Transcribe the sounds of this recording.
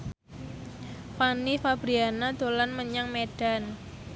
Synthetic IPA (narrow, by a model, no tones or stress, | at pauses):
fanifab̥ɾianad̪̥o̤lanməɲaŋmeɖ̥a̤n